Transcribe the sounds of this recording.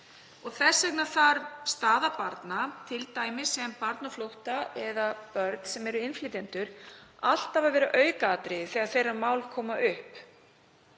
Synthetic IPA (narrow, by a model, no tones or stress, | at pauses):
ɔɣθɛsːɛknaθaɾst̪aːðapaɾt̪nat̪ʰɪlt̪aːjmɪsɛmpaɾt̪naflowht̪aɛðapœɾt̪nsɛmɛɾʏɪnflit̪ɛnt̪ʏɾal̥t̪avavɛːɾʏʔœːɥkaːt̪ɾɪθɛːɣaðθejramaːwlkʰɔːmaʔʏhp